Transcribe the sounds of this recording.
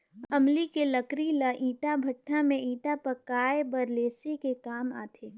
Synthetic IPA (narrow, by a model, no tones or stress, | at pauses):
ɐmlikeləkɾilɐʔĩːʈabʱɐʈʰːamẽʔĩːʈapɐkaːebɐɾleːsikekaːma̰ːt̪ʰeː